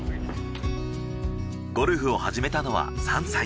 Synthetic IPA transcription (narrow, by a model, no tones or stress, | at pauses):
ɡ̥o̞ɾɯ̟ɸɯ̟o̞haʑime̞t̪ano̞βa̰sãñsa